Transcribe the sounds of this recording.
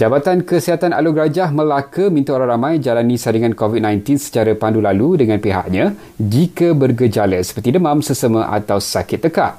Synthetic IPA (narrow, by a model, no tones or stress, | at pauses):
d͡ʒabat̪ankəsiɦat̪ana̰luɡɾad͡ʒahmə̃lakəmint̪uoɾaŋɾamãjd͡ʒalanĩsadiŋankovit̪̚nãjnt̪insə̥t͡ʃaɾapandulaludəŋãnpiɦa̰ʔɲã | d͡ʒikəbərɡəd͡ʒaləsə̥pərt̪idəmãmsəsəmə̃ʔa̰t̪awsakɪt̪ːəkaʔ